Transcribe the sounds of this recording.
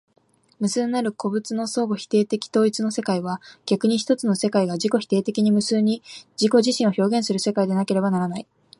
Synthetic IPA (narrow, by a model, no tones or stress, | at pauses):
mɯ̟sɨnːaɾɯ̟kʰo̞bɯ̟t͡sɨno̞so̞ːɡo̞çi̥t̪e̞ːt̪e̞kʲi̥t̪o̞ːit͡sɨno̞se̞kaiβ̞aɡ̥ʲakɯ̟ɲ̟iç̬i̥t̪o̞t͡sɨno̞se̞kaiɡaʑiko̞çi̥t̪e̞ːt̪e̞kʲiɲ̟imɯ̟sɨːɲ̟id͡ʑiko̞ʑiɕĩɰ̃o̞ço̞ːɡẽ̞ɰ̃sɨɾɯ̟se̞kaid̪e̞nake̞ɾe̞banaɾanai